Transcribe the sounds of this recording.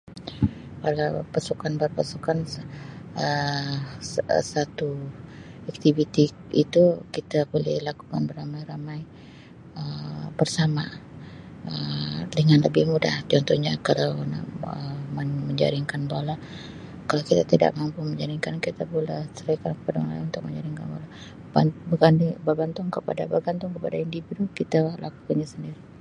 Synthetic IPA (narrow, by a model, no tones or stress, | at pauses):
paɡapasukanbərpasukan | ə | sat̪u | ak̚t̪ivit̪i | it̪ukit̪abolɪhlakukanbəramajɾamaj | əbərsama | ədəŋanləbɪhmuda̰ht͡ʃɔnt̪ɔhɲakalawna̰əmanməɲd͡ʒa̰ɾiŋkanbola | kalawkit̪at̪ida̰ʔmampuməɲd͡ʒaɾiŋkankit̪abolɛhsəɾakankə̥padamalaunt̪ʊk̚məɲd͡ʒaɾiŋkanbola | babəɡanbərbant̪ʊŋkəpa̰da̰bərɡant̪ʊŋkəpadaindividukit̪ala̰ku̥kanɲasəndiɾi